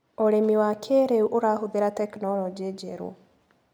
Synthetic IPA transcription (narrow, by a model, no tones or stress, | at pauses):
oɾemiwakʰeɾeuʔoɾaːɦoðeɾatɛknɔlɔd͡ʒied͡ʒeɾṵ